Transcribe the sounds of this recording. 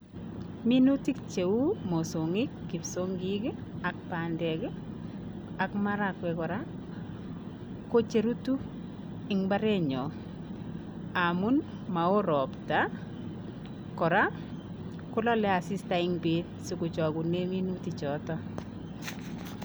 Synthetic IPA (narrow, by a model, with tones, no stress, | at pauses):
mi˦nu˦ti˦kt͡ʃe˨u˦mo˨so˨ŋɪ˦kːi˨pso˦ŋɡikɪ˦a˨k̚pa˨ndɛ˨kɪ˦ | a˨kma˦ɾakwɛ˨kɔ˨ɾa˦ | ko˦t͡ʃe˨ɾu˦tu˦ | ɪŋba˦ɾe˦ɲɔ˨ | a˨mu˦n | ma˨o˦ɾɔ˨pta˦ | kɔ˨ɾa˦ | kʊ˦lɔ˦lɛ˦a˨sɪ˦sta˨ɪŋbe˦nsi˨kʊ˨t͡ʃɔ˨ku˨ne˦mi˦nuti˨t͡ʃɔ˨tɔ˦